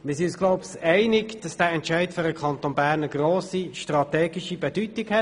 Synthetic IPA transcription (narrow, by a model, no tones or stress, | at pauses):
mɪːsinysɡ̥lɔʊpsɛɪnɪkd̥ɑsd̥æːɛntʃɛɪtføɾəkʰɑnt̪onbæːʁnəɡroːsiʃtrɑt̪ɛːɡɪʃibɛd̥ytɪkhɛ